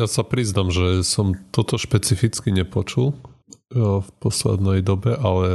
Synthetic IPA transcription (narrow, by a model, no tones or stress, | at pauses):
jasapɾiznamʒɛsɔmt̪ɔt̪ɔʃpɛt͡sifit͡skiɲɛpɔt͡ʃul | fpɔslɛ̰d̪nɛjd̪ɔbɛʔalɛ